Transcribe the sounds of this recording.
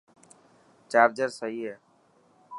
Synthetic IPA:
t͡ʃaːɾd͡ʒəɾsəɦiːɦeː

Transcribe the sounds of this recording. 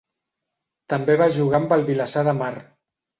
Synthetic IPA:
t̪əmbeβaʒuɣambəlˠβilasaðəmar

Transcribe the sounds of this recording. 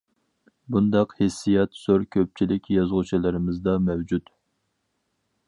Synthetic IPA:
bund̪ɑqhɪsːijɑt̪søɾkʲʰøp̚t͡ʃʰilɪkʲjɑzʁʊt͡ʃʰilˠɨɾɪmɪzd̪ɑmɛwd͡ʒut̪

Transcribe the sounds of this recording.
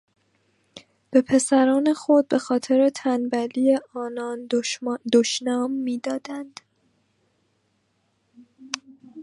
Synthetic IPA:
b̥e̞pʰe̞sæɾɒːne̞xo̞d̪̚be̞xɒːt̪ʰe̞ɾe̞t̪ʰænbæliːe̞ʔɒːnɒːndd̪oʃnɒːmːiːd̪ɒːd̪̥ænd̪̥

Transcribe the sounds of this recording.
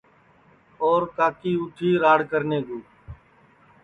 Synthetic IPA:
oːɾk̪aːkiːʊʈʰiːɾaːɽkəɾneːɡuː

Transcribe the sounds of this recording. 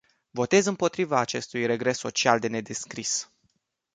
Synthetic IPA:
vo̞t̪e̞zɨmpo̞t̪ɾivaːt͡ʃe̞st̪ujre̞ɡɾe̞sːo̞t͡ʃiald̪e̞ne̞d̪e̞skɾis

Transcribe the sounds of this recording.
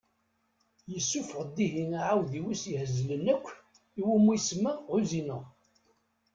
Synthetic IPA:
jəsːufəʁd̪ːiɦinaʕawðiwisjhəzːlənækʷː | iwumujsmauzinəʁ

